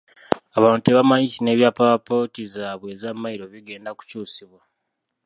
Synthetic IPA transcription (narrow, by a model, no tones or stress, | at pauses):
aβaːntueβamaɲisine̞ːβjapawapo̞tizaːβwe̞ːzamːaiɾo̞βiɡe̞ːndaku̥cuːsiβwa